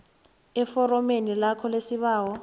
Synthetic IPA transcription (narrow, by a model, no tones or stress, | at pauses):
ɛfɔɾɔmenilakʰɔlesiβaːwɔ